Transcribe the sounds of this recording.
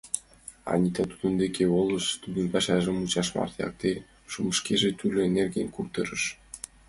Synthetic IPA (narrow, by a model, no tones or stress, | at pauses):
ɑ̰nʲit̪ɑt̪u̥d̪ŭnd̪ekʲʰeolˠɤ̆ʃt̪ud̪ə̆npæʃæʒə̆mut͡ɕɑʃmɑ̰rt̪jɑ̰k̚t̪e | ʃumə̆ʃkeʒĕt̪ylʲøenerɡʲenʲkurt̪ɤɾɤ̆ʃ